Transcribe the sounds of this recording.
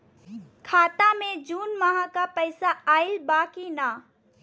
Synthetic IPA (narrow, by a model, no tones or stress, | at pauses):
kʰaːt̪amẽd͡ʒuːnməɦãkapɛɪsaaːɪlbaːkinaː